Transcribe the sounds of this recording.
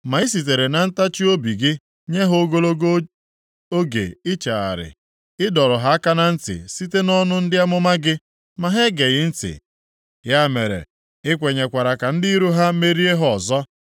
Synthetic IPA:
ma˨i˦si˨t̬e˨ɾe˨na˨n̩˦ta˦t͡ʃi˦o˦bi˨ɡɪ˦ | ɲe˦ɦʊ˦o˦ɡo˦lo˦ɡo˦ | o˦ɡḛ˨ɪ˦t͡ʃa˨a̰˨ɾɪ̰˨ | ɪ˦dɔ˨ɾʊ˨ɦa˦a˦ka˦na˦n̩˦tɪ̰˨si˦te˦nɔ˦nʊ˦n̩˦dɪ˦a˦mʊ˦ma˦ɡɪ˦ | ma˨ɦe˦ɡe˨ɣɪ˦n̩˦tɪ̰˨ | ja˦me˨ɾḛ˨ | ɪ˦kʷe˨ɲe˨kʷa˨ɾa˨ka˨n̩˦di˦ɾu˦ɦa˦me˦ɾi˦e˦ɦɔ˨zɔ˦

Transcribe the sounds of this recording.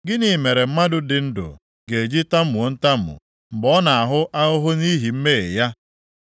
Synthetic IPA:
ɡɪ˦ni˨me˨ɾe˨m̩˦ma˦dʊ˨dɪ˨n̩˦dʊ̰˨ | ɡe˨e˨d͡ʒi˦ta˦m̩˦mu˨o˦n̩˦ta˦m̩˨ʊ̰˨ | m̩˨bɔ˦na˨a˨ɦʊ˦ʔa˦ʊ˦ɦʊ˦ni˦ɦi˨m̩˦me˦e˨ja˦

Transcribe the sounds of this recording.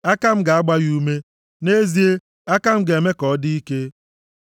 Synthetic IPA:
a˦ka˦m̩˦ɡa˨a˦ɡ͡ba˦ju˦me˦ | ne˦zi˦e˦ | a˦ka˦m̩˦ɡe˨me˦kɔ˦di˦i˦ke˦

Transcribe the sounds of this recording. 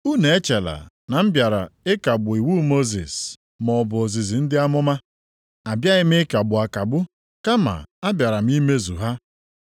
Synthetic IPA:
u˦ne˨e˦t͡ʃe˨la̰˨ | na˨m̩˦bja˨ɾa˨ɪ˦ka˨bʊ˨i˨wu˦mo˦zḭ˨s | mɔ˨bʊ˨o˨zi˨zi˨n̩˦dɪ˦a˦mʊ˦ma˦ | a˨bja˦ɣɪ˦m̩˦ɪ˦ka˨ɡ͡bʊ˨a˨ka˨ɡ͡bʊ˦ | ka˦ma̰˨a˦bja˨ɾa˨m̩˦i˦me˦zṵ˨ɦa˦

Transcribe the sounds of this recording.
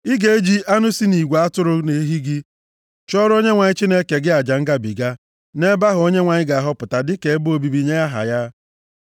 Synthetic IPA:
i˦ɡe˨e˦d͡ʒi˦ʔa˦nʊ˦si˦ni˨ɡʷa˨a˦tʊ˦ɾʊ˦ne˨˦ɦi˦ɡɪ˦ | t͡ʃɔ˦ɾo˦ɲe˦ŋʷa˨ɲɪ˦t͡ʃi˦ne˦ke˨ɡɪ˦a˨d͡ʒa˨ŋ̩˦ɡa˦bḭ˨ɡa˦ | ne˦ba˦ɦʊ˨o˦ɲe˦ŋʷa˨ɲɪ˦ɡa˨a˨ɦʊ˦pʊ˨ta˨dɪ˦ke˨e˦bo˨bi˨bi˨ɲe˦ja˦ɦa̰˨ja˦

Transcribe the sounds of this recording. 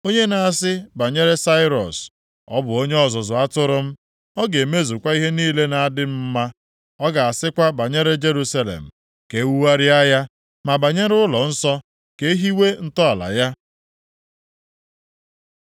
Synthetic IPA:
o˦ɲe˦na˨a˨sɪ˦ba˨ɲe˦ɾe˦sa˦ɪ˦ɾɔ̰˨s | ɔ˦bʊ˨o˦ɲe˦ɔ˨zɔ˨zʊ˨a˦tʊ˦ɾʊ˦m̩˦ | ɔ˦ɡe˨me˦zu˨kʷa˦i˦ɦe˦niː˦le˦na˨a˦˨dɪ˦m̩˦ma˦ | ɔ˦ɡa˨a˨sɪ˦kʷa˦ba˨ɲe˦ɾe˦d͡ʒe˦ɾu˦sa˦lḛ˨m̩˨ | ke˨˦wu˦wa˦ɾɪ˦a˦ja˦ | ma˨ba˨ɲe˦ɾʊ˦lɔ˨n̩˦sɔ˦ | ke˦ɦi˦we˦n̩˦tɔ˦a˨la̰˨ja˦

